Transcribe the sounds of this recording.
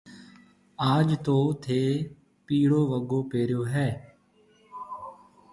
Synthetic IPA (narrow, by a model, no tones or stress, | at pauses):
aːd͡ʒt̪oːt̪ʰeː | piːɽoːʋəɡoːpeːɾjoːɦɛː